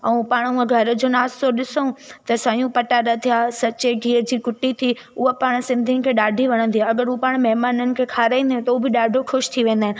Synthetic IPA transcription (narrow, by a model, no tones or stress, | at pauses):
ɛ̃paːɽ̃ʊə̃ɡʱɐɾd͡ʑoːnaːst̪oɗɪsot̪ɐsãːijũpɐʈaːɾət̪ʰijaːsɐt͡ɕeɡʱiːɾd͡ʑiːkʊʈːit̪ʰi | ʊɦopaːɽ̃sɪ̃nd̪ʱinɪ̆kʰeːɗaːɖʱiʋɐɽ̃ə̃nd̪ijaɐɡəɾupaːɽ̃mɐɦmaːnənɪ̆kʰeːkʰaːɾaːĩnd̪aɦẽt̪ɐbɪɗaːɖʱoxʊʃt̪ʰiʋẽːn̆d̪aːɦɪ̃nɪ̆